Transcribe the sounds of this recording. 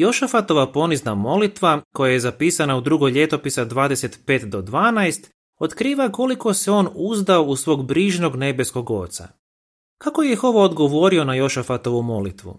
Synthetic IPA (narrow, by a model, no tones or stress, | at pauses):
jo̞ʃafat̪o̞ʋapo̞niznamo̞lit̪ʋako̞jaje̞zapiːsanaud̪ɾuɡo̞jʎe̞t̪o̞pisad̪ʋaːd̪e̞se̞t̪pe̞ːt̪d̪o̞d̪ʋaːnaest̪ | o̞t̪kɾiːʋako̞liko̞seo̞ːnuzd̪ao̞usʋo̞ːɡbɾiːʒno̞ɡne̞be̞sko̞ɡo̞t̪sa̰ | kako̞jexo̞ʋoːd̪ɡo̞ʋo̞ɾio̞najo̞ʃafat̪o̞ʋumo̞lit̪ʋṵ